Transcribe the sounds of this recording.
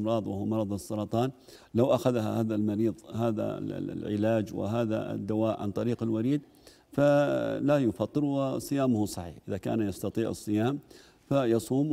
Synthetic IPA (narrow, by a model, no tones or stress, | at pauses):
mɾˤɑːðˤwɪhʊwmɑɾˤɑðˤɨsˤːɑɾˤɑt̪ˤɑːn | lawʔaxaðahahaːðalmɑɾiːðˤhaːða̰ʕɪ̰laːd͡ʒwɪ̰ɦaːða̰d̪ːawaːʔʕa̰nt̪ˤɑɾiːqɪlwaɾiːd̪̚ | falajʊfɑt̪ˤːɨɾwɪsˤɨjaːmʊhʊsˤɑħḭːħʔɪðaka̰ːnjɑst̪ɑt̪ˤiːʕɨ̰sˤːɨjaːm | fajɑsˤuːm